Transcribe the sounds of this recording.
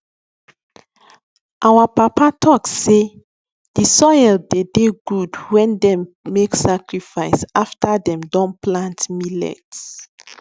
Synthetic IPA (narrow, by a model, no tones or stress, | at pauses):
ʔawapapatʰɔkse | d̥isɔjɛldedeɡudwɛ̃ndɛ̃mː | eksakɹifaɪsaftadɛ̃mdɔ̃nplãntmilɛ̰ts